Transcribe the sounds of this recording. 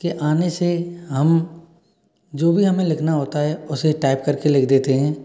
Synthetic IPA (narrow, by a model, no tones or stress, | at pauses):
keʔaːneseɦɐm | d͡ʒoːbʱiɦɐmẽlɪkʰnaɦoːt̪aɦɛʊseʈaːɪp̚kɐɾkelɪkʰd̪eːt̪eɦɛ̃ː